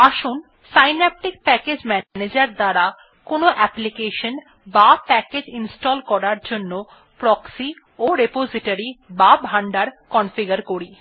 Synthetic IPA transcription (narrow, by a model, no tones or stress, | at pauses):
aʃun | sajnɛp̚ʈik̚pɛked͡ʑmɛned͡ʑaɾd̪aɾa | konoʔɛplikeʃon | bapɛked͡ʑinsʈɔlkɔɾaɾd͡ʑonːo | pɾɔksi | oɾepoziʈaɾibabʱaɳɖaɾkɔnfiɡaɾkoɾi